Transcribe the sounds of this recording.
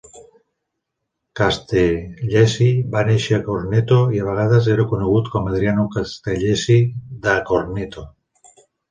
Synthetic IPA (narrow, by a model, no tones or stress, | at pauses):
kast̪eʎesibaneʃeakoɾnet̪oiaβ̞eɣ̞aðaz̬eɾokuneɣ̞ut̪kɔmað̞ɾianukast̪eʎesid̪akoɾnet̪o